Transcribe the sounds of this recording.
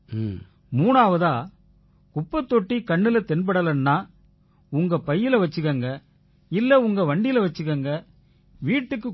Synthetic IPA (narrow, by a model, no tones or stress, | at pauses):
muːnaːʋɐðaː | kʊpːɐt̪ːɔʈːikɐɳːɪlɐt̪ɛnbɐɽɐlɐnːaː | ʊŋɡɐpɐjːɪlɐʋɐt͡ʃːɯɣɐːŋɡɐ | ɪlːɐʊŋɡɐʋɐɳɖɪjɪlɐʋɐt͡ʃːɯɣɐːŋɡɐ | ʋiːʈːɯkːɯ